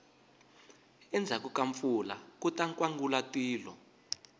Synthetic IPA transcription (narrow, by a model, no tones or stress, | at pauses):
ɛnd͡zʱakukaɱfula̰kutaŋkʼwaŋɡulatʼiːlɔ